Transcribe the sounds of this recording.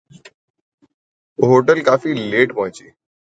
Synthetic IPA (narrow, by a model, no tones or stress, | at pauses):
ɦoʈəlkaːfiːleːʈpaɦt͡ɕiː